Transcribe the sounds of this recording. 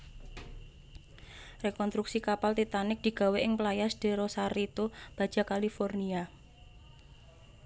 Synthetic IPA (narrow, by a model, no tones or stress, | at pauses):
rekɔnst̪ɾuksikapalt̪it̪anɪk̚d̪̥i̤ɡ̥a̤weʔɪŋplajasd̥e̤ɾɔsaɾit̪ob̥a̤d̥d͡ʒ̥a̤kalifɔrnia